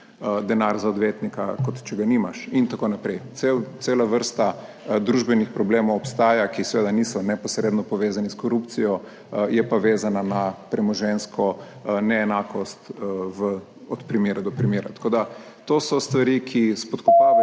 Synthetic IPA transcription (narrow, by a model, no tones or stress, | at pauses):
d̪ɛnaɾzaɔd̪ʋeːt̪nikakɔt̪t͡ʃɛɡaniːmaʃint̪akonapɾɛjt̪sewt̪seːlaʋəɾst̪a | d̪ɾuʒbɛnixpɾɔbleːmɔwɔpst̪aːjakisɛʋeːd̪anisɔnɛpɔsɾeːd̪nɔpɔʋeːzaniskɔɾupt̪sijɔ | jɛpoʋeːzananapɾɛmɔʒɛnskʰɔnɛːnakɔst̪ʋə | ɔt̪pɾimeːɾad̪ɔpɾimeːɾat̪ḁkoːd̪a | t̪oːsɔst̪ʋaɾikʰispɔt̪kɔpaː